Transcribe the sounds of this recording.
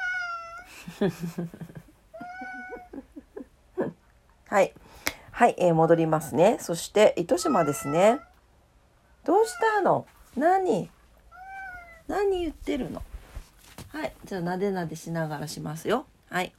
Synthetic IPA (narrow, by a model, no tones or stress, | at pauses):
haihaiʔemo̞d̪o̞ɾʲimasɨne̞so̞ɕi̥t̪e̞ʔit̪o̞ɕimad̪e̞sɨne̞ | d̪̥o̞ːɕi̥t̪ano̞ | naɲ̟i | naɲ̟ːijɯ̟t̪ːe̞ɾɯ̟no̞̰ | haid͡ʑaːnad̪e̞nad̪e̞ɕinaɡaɾaɕimasɨjo̞ | hai